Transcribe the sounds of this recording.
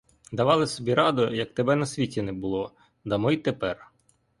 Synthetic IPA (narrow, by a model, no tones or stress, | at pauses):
d̪ɐʋɑlˠɪsɔbʲiɾɑd̪ʊjɐk̚t̪ebɛnɐsʲʋʲitʲinɛbʊlˠɔ | d̪ɐmɪjt̪epɛr